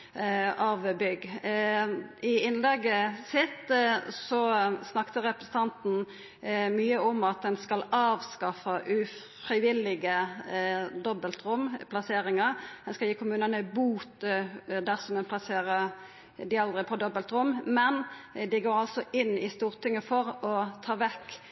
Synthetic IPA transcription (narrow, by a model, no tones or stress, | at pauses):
ɑʋbʏɡ | ɪɪnlɛɡːəsɪt̪sɔsnɑkt̪əʁɛpʁəsən̩t̪ʰɑnt̪n̩ | myːəɔmɑt̪̚d̪ɛnskɑlɑːʋskɑfɑʔʉ | fʁɪʋɪlɪɡə | d̪ɔbəlt̪ɾʊmːpʰlɑseːɾɪŋɑʁd̪ɛnskɑljiːkʰʊmʉːnənəbuːt̪d̪æʁsɔmɛnpʰlɑseːʁə | d̪ɪɑld̪ʁɪpʰɔd̪ɔbəlt̪ɾʊmːmɛnd̪ɪɡoːɾɑlsɔʔɪnːɪst̪uːɾt̪ɪŋːəfɔɾɔt̪ʰɑːʋɛkː